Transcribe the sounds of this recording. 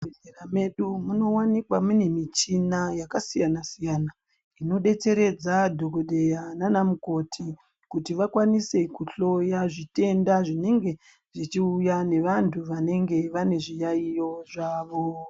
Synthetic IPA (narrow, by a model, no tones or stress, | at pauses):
eɮeɾame̞ɗumuno̞wanikwamune̞mit͡ʃinajakasijanasijaːna | ino̞ɗe̞t͡se̞ɾe̞d͡zadʱokoɗe̞jananamuko̞tʰi | kutiʋakwanise̞kuɬo̞jaʐite̞ndaʐine̞ŋɡe̞ | ʐ̥it͡ʃiujane̞ʋantʰuʋane̞ŋɡe̞ʋane̞ʐijaijo̞ʐaːʋo̞